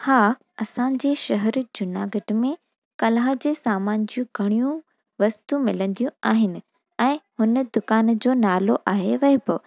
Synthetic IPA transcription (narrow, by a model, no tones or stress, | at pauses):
haː | ɐsãːɲ̆d͡ʑeːʃɐɦəɾd͡ʑʊnaːɡɐʈmẽ | kɐlaːɦd͡ʑeːsaːmaːnd͡ʑiũɡʱɐɽ̃ijũ | ʋɐst̪umɪlə̃nd̪ijũaːɦɪnɪ̆ | ɛ̃ːhʊnəd̪ʊkaːnd͡ʑoːnaːloʔaːɦeʋɐeboː